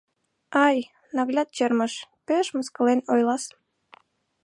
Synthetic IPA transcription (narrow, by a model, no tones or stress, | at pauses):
ɑj | nɑɣlʲɑt̪̚t͡ɕerməʃpeʃməskə̆lenojlɑs